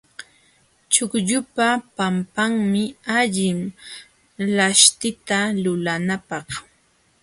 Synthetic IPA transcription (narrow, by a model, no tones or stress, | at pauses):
t͡ʃʊkʎʊpapampaŋmɪaʎɪm | laʃt̪ɪt̪alʊlanapɑχ